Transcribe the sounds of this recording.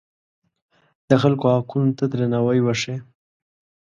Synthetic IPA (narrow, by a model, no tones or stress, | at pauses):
d̪̥əxalkohakunt̪ad̪ɾanawajwaʂe